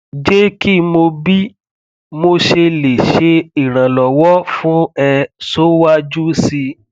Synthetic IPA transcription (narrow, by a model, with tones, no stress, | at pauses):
d͡ʒe˦ki˦mo˧bi˦ | mo˧ʃe˧le˨ʃe˨˧i˨ɾ̃ã˨lɔ˨wɔ˦fũ˦ɛ˧so˦wa˦d͡ʒu˦si˧